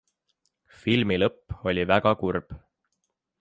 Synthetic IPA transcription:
filmilɤpːo̞lʲivæɡ̥ɑkurb̥

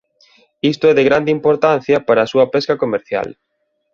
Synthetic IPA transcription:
ist̪oɛðeɣɾand̪eimpoɾt̪an̟θjɐpaɾɐːsuɐpɛskɐkomeɾθja̰l

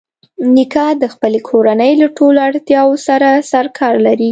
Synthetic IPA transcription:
nikɑd̪əxpəlekʰoɾanəjlaʈoloaɽt̪jɑwosaɾasaɾkʰɑɾlaɾi

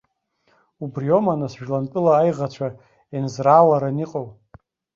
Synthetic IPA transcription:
ubrio̞manasʒᶣlantʼɨlaːjʁat͡ɕʷʰa | enzralaɾaniqʼaw

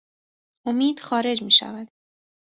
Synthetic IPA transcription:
ʔomiːd̪̥xɒːɾe̞d͡ʒmiːʃæ̰væd̪̥

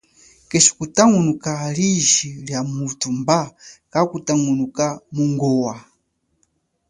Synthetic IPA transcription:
keʃi̥kutaŋunukaliʒiljamutʰumbakakutaŋunukamuŋɡɔwa

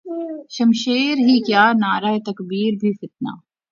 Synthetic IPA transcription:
ʃɐmʃeːɾɦikjaːnaːɾaːet̪ɐkbiːɾbʱifɪt̪̚na̰ː

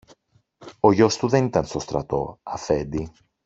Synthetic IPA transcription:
oʝost̪uðenit̪ɐnst̪ost̪ɾɐt̪o̰ɐfed̪i

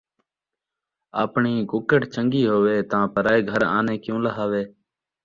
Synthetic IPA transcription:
a̰ːpɳiːkʊkəʈt͡ʃəŋɡiːɦoːʋeːt̪ãːpəɾaːeːɡʱəɾa̰ːneːkjũːləɦaːʋeː

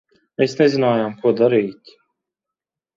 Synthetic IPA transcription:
mesnezinaːjamkuɔd̪aɾiːt̪ʲ

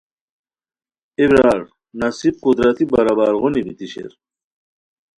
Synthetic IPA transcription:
ebɾaɽ | nɐsib̚qud̪ɾɐt̪ibɐɾabaɾʁonibit̪iɕḛɾ

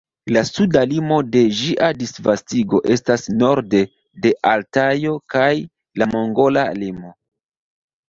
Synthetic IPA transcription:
lasudalimo̞de̞ʒiʔadisvastiɡo̞ʔe̞stasno̞ɾde̞ | de̞ʔaltajo̞kaj | lamoŋɡo̞lalimo̞

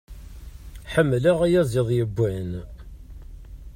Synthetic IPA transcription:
ħəmːlæʁæjæzˤɪðˤjəbʷːæn

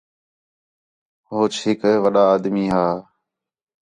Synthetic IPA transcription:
ɦoːt͡ʃɦɪkʋəɗaːd̪miːɦaː

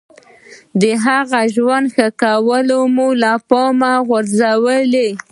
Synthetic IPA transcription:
d̪əɦaɣaʒwand̪xəkawəlomulapɔmaɣʊɾzawəle

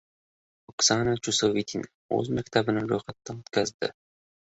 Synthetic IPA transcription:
oksanat͡ʃusovit̪ʰʲin | ɵ̰zmakʲt̪ʰabɪnaɾojχat̪ːanɵt̪kʲʰazd̪ɪ̰

